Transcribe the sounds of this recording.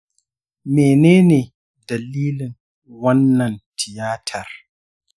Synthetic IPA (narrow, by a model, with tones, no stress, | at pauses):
meː˨neː˦neː˨ | dɐ˨lːiː˦lɪ˨ŋ | wɐ˦nːɐ˨ntʰɪ˨jaː˦tʰɐ˨r